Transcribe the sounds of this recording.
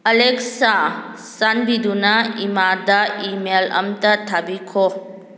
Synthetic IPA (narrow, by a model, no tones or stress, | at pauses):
ɐleksa | sanbidunɐimadɐimelɐ̰mtɐtʰabikʰɔ